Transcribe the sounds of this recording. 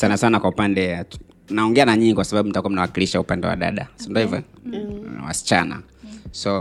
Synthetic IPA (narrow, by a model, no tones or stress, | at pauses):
sanasanakwaupandɛa | naɔŋɡɛanaɲiɲikwasaɓaɓum̩takuamnawakiliʃaupandɛwa̰ɗa̰ɗa̰sndɔivɔ̰ | wa̰si̥t͡ʃana̰ | sɔ